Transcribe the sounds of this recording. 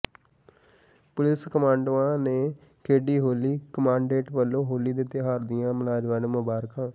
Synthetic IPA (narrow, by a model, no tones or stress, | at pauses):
pʊlɪskəmãːɳɖãːneː | kʰeːɖiːɦoːliːkəmãːɳɖeːʈʋəlːõːɦoːliːd̪ɪːt̪ːeɦaːɾd̪ɪjãːməlaːd͡ʒʋãːnːmʊbaːɾkãː